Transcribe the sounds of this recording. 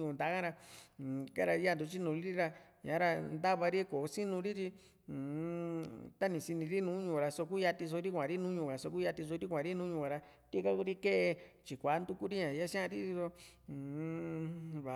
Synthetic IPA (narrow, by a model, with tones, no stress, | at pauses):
ũ˧˨nd̪a˨˦kã˦ɾa˧˨ | ka˦ɾa˧ja˦nd̪u˨˧t͡ʃi˦nũ˧ɾi˦ɾi˦ɾa˧ɲã˨˦ɾa˧nd̪a˦βa˧ɾi˦ko˨˦si˦nũ˧ɾi˦ɾi˦˨ | t̪a˦nĩ˨si˧nĩ˧ɾi˦nũː˧˦ɲũ˧˨ɾa˧so˧k̬u˦ja˧t̪i˧s̬o˧ɾi˦kʷã˨ɾi˦nũ˦ɲũ˧˨ka˨so˧k̬u˦ja˧t̪i˧s̬o˧ɾi˦kʷã˨˧ɾi˦nũ˦ɲũ˧a˧ɾa˧ | t̪i˦ka˦ku˧ɾi˦ke˦ʔe˧t͡ʃi˨kʷa˨˦nd̪u˧ku˦ɾi˦ɲã˨ja˦ʃã˦ã˧ɾi˦i˧so˧˨ | βa˨